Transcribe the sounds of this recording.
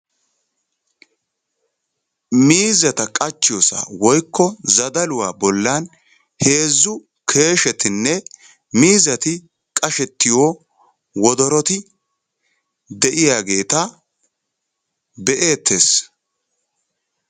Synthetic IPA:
miːzɐt̪ɐkʼɐt͡ʃːɪjosa̰wɔjkːɔzɐd̪ɐlʊwaːbɔlːan | he̞ːzːʊ | kʰe̞ːʃɛt̪ɪnːɛ | miːzɐt̪ɪ | kʼɐʃɛt̪ːɪjoː | wɔd̪ɔɾɔt̪ɪ | d̪ɛʔɪjaːɡe̞ːt̪ɐ | bɛʔe̞ːt̪ːeːs

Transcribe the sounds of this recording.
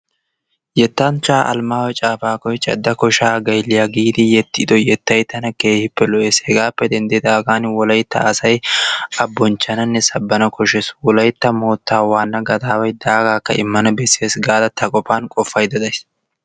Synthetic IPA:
jɛt̪ːant͡ʃːaːʔɐ̰lmaːwɛt͡ʃʼaːfaːkɔjt͡ʃʼɐ̰d̪ːɐkɔʃaːɡɐjlːɪjaɡiːd̪ɪjɛt̪ːɪd̪ɔjɛt̪ːɐjt̪ːɐnɐke̞ːhɪpːɛlɔʔeːshɛɡaːpːɛd̪ɛnd̪eːd̪aːɡaːnwɔlɐjt̪ːɐ̰ːsɐjɐbːɔnt͡ʃːɐnɐnːɛsɐbːɐnɐkɔʃɛswɔlɐjt̪ːɐmo̞ːt̪ːaːwaːnːɐɡɐd̪aːwɐjd̪aːɡaːkːɐʔɪmːɐnɐbɛsːɪjɐsɡaːd̪ɐt̪ʰɐkʼɔpaːnkʼɔfːɐjd̪ɐd̪ɐjs

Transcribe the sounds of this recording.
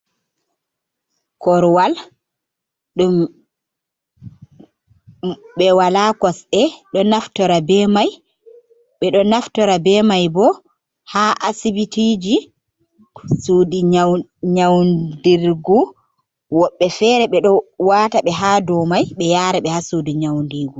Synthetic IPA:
kɔɾwal | ɗum | ɓɛwalakɔsɛɗɔnaftɔɾabɛmaj | ɓɛɗɔnaftɔɾabɛmajbɔ | haʔasibitiːd͡ʒi | sudiɲaɲawndiɾɡu | wɔɓːɛfɛɾɛɓɛɗɔwaːtaɓɛɦadɔmajɓɛjaːɾɛɓɛhasudiɲawndiɡu

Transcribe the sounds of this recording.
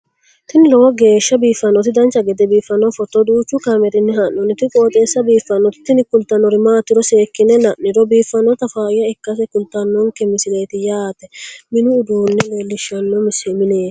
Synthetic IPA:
t̪ɪnɪlɔwɐɡeːʃːɐbiːfːɐnːɔt̪ɪd̪ɐnt͡ʃːɐɡɛd̪ɛbiːfːɐnːɔfɔt̪ːɔd̪uːt͡ʃːʊkɐmɛɾɪnːɪhɐnːɔnɪt̪ɪkʼoːt̪ʼeːsːɐbiːfːɐnːɔt̪ɪ̥t̪ːɪnɪkʊlt̪ɐnːɔɾɪmaːt̪ːɪɾɔseːkːɪnɛnɐʔnɪɾɔbiːfːɐnːɔt̪ɐfaːɪjːɐɪkːɐs̬ɛkʊlt̪ɐnːɔŋkɛmɪsɪleːt̪ɪjaːt̪ɛmɪnʊːd̪uːnːɛleːlːɪʃːɐnːɔmɪsɛmɪneː

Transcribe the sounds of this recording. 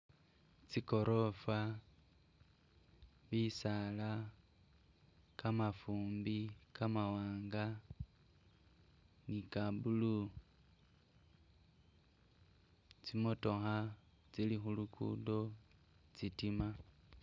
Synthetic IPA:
t͡siko̞ɾʔofwa | βisala | kamafuːmbikamawaːŋɡa | nikabulu | t͡simoto̞xa | t͡silixulukṵndo̞ | t͡sitima

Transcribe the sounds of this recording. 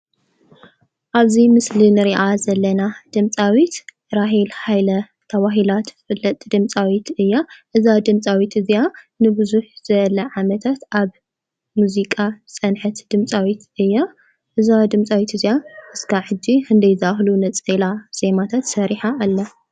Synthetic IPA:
ʔaβzimɨslinɨɾiʔazɐlːɐnad̪̥ɨmt͡sʼawit̪ | ɾaɦilhajlɐ | t̪ʰɐβaɦilat̪ɨfɨlːɐt̪ʼd̪ɨmt͡sʼawit̪ɨjːaʔɨzad̪ɨmt͡sʼawit̪ɨzija | nɨbɨzuħz̥ɐlɐʕamɐt̪ʰat̪ʔaβ | muzikʼat͡sʼɐnħɨt̪d̪ɨmt͡sʼawit̪ɨjːa | ʔɨzad̪ɨmt͡sʼawit̪ɨzjaʔɨskʰaħɨd͡ʒːiɨnd̪ɐjzahlunɐt͡sʼɐlaz̥e̞mat̪ʰat̪sɐɾiħaʔːlːɐ

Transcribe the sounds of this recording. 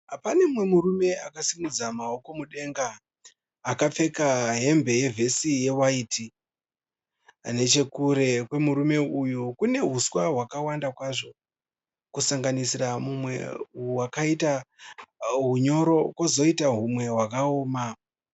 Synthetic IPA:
apane̞mwe̞muɾume̞akasimud͡zamao̞ko̞muɗe̞ŋɡaː | kap͡fe̞kaɦe̞mbe̞je̞vʱe̞sije̞waiti | ne̞t͡ʃe̞kuɾe̞kwe̞muɾume̞ujukune̞ɦuswaɦwakawandakwaʐo̞ | kusaŋɡanisiramumwe̞̰uwakaita | ɦuɲo̞ɾo̞kozo̞itaɦumwe̞ɦwakaoːma

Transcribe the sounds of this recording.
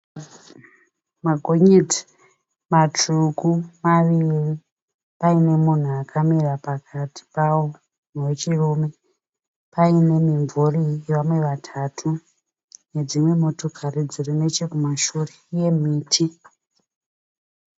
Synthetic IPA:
maɡʱo̞ɲed͡zi̥ | matuɡʱumaʋiri | paine̞mun̤uakʰamirapakʰatʰi̥pawo | nwe̞t͡ʃiruːme̞ | paine̞miɱvurieʋamwe̞ʋatʰatʰu | ne̞d͡zimwe̞motokʰarid͡zirine̞t͡ʃekumaʃureje̞miːtʰi

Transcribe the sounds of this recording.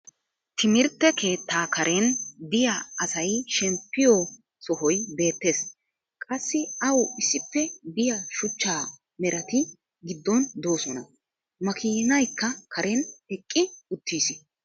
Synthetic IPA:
t̪ʰɪmɪɾt̪ːɛke̞ːt̪ːaːkʰɐɾʔɛnd̪ɪjaɐsɐjʃɛmpːɪjɔ | sɔhɔjbe̞ːt̪ːe̞ːs | kʼɐsːɪɐwɪsːɪpːɛd̪ɪjɐʃʊt͡ʃːaː | mɛɾɐt̪ɪ | ɡɪd̪ːɔnd̪o̞ːsɔnɐ̰ | mɐkʰiːnɐjkːɐkʰɐɾʔɛnɛkʼːɪʊt̪ːiːsɪ

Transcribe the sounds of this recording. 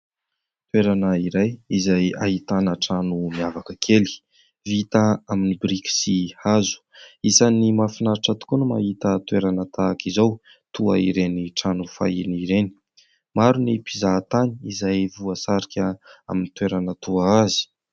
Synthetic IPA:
t̪weɾanəiɾajizaja̰ɦit̪anəʈ͡ʂanumiavakəkʰeli̥ | vit̪aaminibɾiki̥sihazu̥isanimafinaɾiʈ͡ʂat̪u̥kunəma̰hit̪ət̪weɾanət̪akizaw | t̪ua̰iɾeniʈ͡ʂanufa̰iniɾeni̥ | maɾunipizat̪aniizajvuəsaɾikʲəa̰minit̪weɾanət̪uaazi̥

